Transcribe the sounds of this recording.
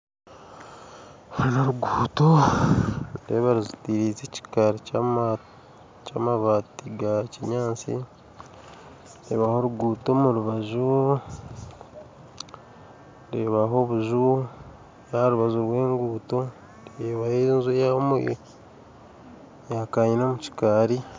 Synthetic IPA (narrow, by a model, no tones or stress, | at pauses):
enaɾuɡuːto | ɾeːβaɾizutiːɾiːt͡seci̥kaɾi | caːmaβatiɡaciɲaːt͡sḭ | ɾḛːβaho̞ɾuɡuːto̞muɾuβaʒu | ɾeːβaɦo̞βuʒu | jaɾuβazuɾwe̞ːŋɡuːto̞ | ɾeβajenzejamṵj̰ | jakaːɲinomuci̥kaːɾi